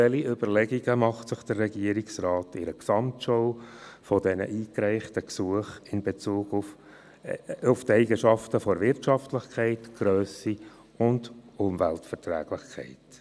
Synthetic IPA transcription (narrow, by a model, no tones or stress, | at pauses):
ɛliʏbəɾlɛɡiɡəmɑχtsɪχd̥ərːɛɡiəɾiksrɑːtɪɾəksɑmtʃɔwfɔdɛnə̰ʔiːkɾɛɪχtəksuəχɪnbet͡suːɡʊf | ʊftɛɪɡəʃɑftəfɔɾvɪɾtʃɑftlɪχkʰɛɪtɡ̥ɾøːsi | ʊndʊmvæltfɛɾtræ̰ːɡ̥lɪχkʰɛ̰ɪt